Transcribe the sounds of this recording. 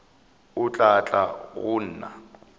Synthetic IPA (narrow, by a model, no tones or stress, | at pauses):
ʊt͡ɬʼat͡ɬʼa̰ɣʊn̩ːna̰